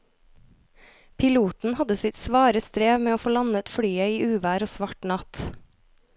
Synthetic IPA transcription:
pʰɪluːt̪n̩hɑd̪əsɪt̪sʋɑːɾəst̪ɾeːʋmeːoːfoːlɑnət̪fɽyːœʏiːʔʉːʋæːɾoːsʋɑʈɳɑt̪

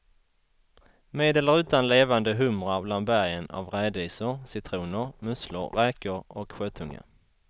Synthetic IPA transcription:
meːd̪eːləɾʉ̟ːt̪anleːvand̪əɦɵmɾabland̪̚bæʁjəna̰vɾæːd̪iːsəɾsɪt̪ʰɾuːnəɾmɵslə̰ɾːɛːkəɾɔkɧøːt̪ʰɵŋːə̰

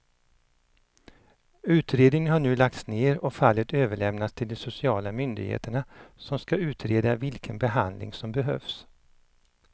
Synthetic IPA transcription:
ʉ̟ːt̪ɾeːd̪nɪŋənɦaɳʉ̟ːlak̚t̪sneːɾɔfalːət̪øːvəɭɛmnat̪st̪ʰɪld̪ɛsʊsɪɑːlamʏnd̪ɪ̰ɡhḛːt̪əɳasɔmskaʉ̟ːt̪ʰɾeːd̪avɪlkʰənbɛɦand̪lɪ̰ŋsɔmbɛɦœ̰vs

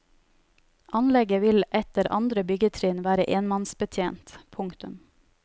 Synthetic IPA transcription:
ʔɑnlɛɡəʋɪlʔɛt̪əɾʔɑ̰nd̪ɾəbʏɡət̪ʰɾeːnʋæːɾəʔeːnmɑnsbət̪ʰjeːnt̪pʰʊŋkt̪ʉm

